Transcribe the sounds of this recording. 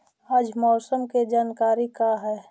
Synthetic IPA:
ad͡ʒmɔːsəmked͡ʒaːnkaːɾikaɦɛː

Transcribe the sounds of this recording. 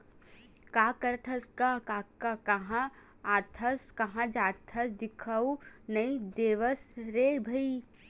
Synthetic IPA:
kaːkɐɾt̪ʰɐskakakakɐɦã | aːt̪ʰɐskɐɦãd͡ʒaːt̪ʰɐsd̪ɪkʰɐunɐĩd̪eːʋəsɾeːbʱɐi

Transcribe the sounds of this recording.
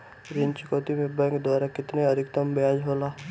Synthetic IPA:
ɾɪɲt͡ʃkoːt̪imebajked̪waːɾakɪt̪neɐɾɪk̚t̪əmbeaːd͡ʒɦoːlaː

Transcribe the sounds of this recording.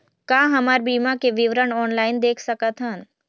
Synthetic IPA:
kaːɦɐmaːɾbiːmakeʋɪʋɾəɳɔːnlaːɪnd̪eːkʰsəkat̪ɦən

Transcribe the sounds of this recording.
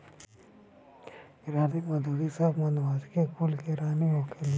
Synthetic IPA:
ɾaːdimɐd̪uːd̪isɐbmɐnaːskekulkeɾaːniɦokeli

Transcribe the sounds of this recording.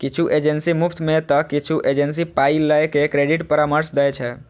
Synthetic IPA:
kit͡ʃʰuʔed͡ʒensimupʰt̪ʰmẽt̪əkit͡ʃʰuʔed͡ʒensipailːəjkekɾeɖiʈpəɾaməɾsd̪əjt͡ʃʰɛ

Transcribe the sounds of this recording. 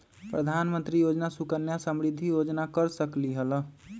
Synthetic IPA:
pɾəd̪ʱanmənt̪ɾijod͡ʒnasukənjasəmɾid̪ʱːijod͡ʒnakəɾsəkliɦəl

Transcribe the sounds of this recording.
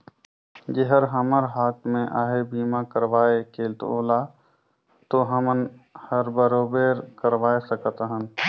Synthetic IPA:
d͡ʒeɦəɾɦəməɾɦaːt̪mẽʔaːɦebiːmakəɾʋaːekeːlt̪o̰ːla | t̪oɦəmənhəɾbəɾoːbeːɾkəɾʋaːesəkət̪ɦən

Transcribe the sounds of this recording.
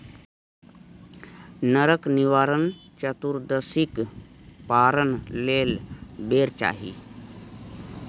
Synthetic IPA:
nəɾəkniʋaɾənt͡ʃət̪uɾd̪əsikpaɾənleːlbeɾt͡ʃa̰ːɦḭː

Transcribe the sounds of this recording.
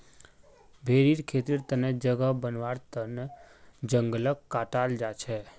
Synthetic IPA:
bʱeɾiɾkʰet̪iɾt̪əned͡ʒəɡəbənʋaɾt̪əned͡ʒəŋɡələkkːaʈald͡ʒat͡ʃʰe

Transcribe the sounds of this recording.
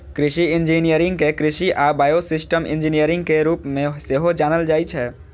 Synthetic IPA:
kɾɪʃiɪ̃nd͡ʒinijəɾɪ̃ŋɡkekɾɪʃiʔaːbaːjosɪsʈəmɪ̰̃nd͡ʒinijəɾɪ̃ŋɡ̚keɾuːpmẽseɦod͡ʒaːnəld͡ʒaːit͡ʃʰɛː

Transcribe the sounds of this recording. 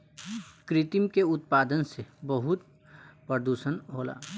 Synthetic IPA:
kɾɪt̪imkeʊt̪̚paːd̪ənsebəɦʊt̪ | pəɾd̪uːʃənɦoːla̰ː

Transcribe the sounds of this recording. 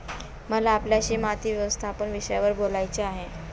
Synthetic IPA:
məlaːpljaɕiːmat̪ʰiːʋjeʋəst̪ʰapənʋiɕəjaʋəɾbolajt͡ɕeaɦe

